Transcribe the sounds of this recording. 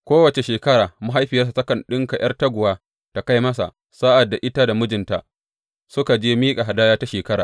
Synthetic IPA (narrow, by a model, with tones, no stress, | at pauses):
kʷoː˦wɐ˨t͡ʃe˨ʃeː˨kɐ˦ɽaː˨mʊ˦ɦa˦jɸɪ˨jɐ˦s̬a˨tɐ˦kɐ˨nɗɪ˦ŋka˨jɐ̰˦rtɐ˦ɡʷʊ˨waː˦ | ta˨ka˦jmɐ˦s̬a̰˨ | sa˦ʔa˨dːa˨ʔɪ˦ta˦da˨mʊ˦d͡ʒɪ˨nta˨ | sʊ˦ka˨d͡ʒeː˦miː˦kʼa˨ɦa˨daː˦jaː˦ta˦ʃeː˨kɐ˦ɽa̰ː˨